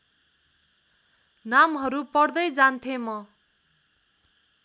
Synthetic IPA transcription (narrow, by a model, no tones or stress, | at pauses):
namɦʌɾupʌrd̪ʌjd͡zant̪ʰemʌ